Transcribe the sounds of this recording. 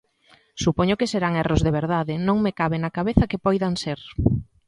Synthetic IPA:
supɔɲokeseɾaŋɛrozðeβ̞eɾðaðɪnõŋmekaβenakaβeθakepɔjðaŋseɾ

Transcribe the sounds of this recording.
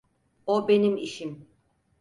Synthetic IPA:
obe̞nimiʃim

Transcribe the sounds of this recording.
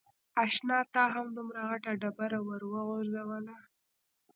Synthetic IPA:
ɑʃnɑt̪ɑɦamd̪umɾaɣaʈaɖabaɾawəɾwəɣʊɾzawəla

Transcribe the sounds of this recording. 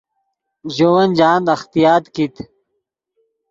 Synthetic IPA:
ʑowɐnd͡ʑaːnd̪ɐxt̪ijaːt̪kit̪

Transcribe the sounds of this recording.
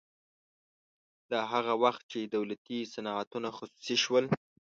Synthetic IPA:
d̪̥aɦaɣawaxt̪̚t͡ʃed̪awlat̪isanɑat̪unaxʊsu̥siʃwəl

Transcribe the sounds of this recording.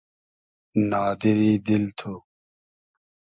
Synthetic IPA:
naːd̪iɾiːd̪ilt̪ʰo

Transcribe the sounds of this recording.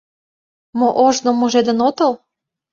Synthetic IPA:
moʔoʒnomːoʒed̪ə̆not̪ɤ̆l

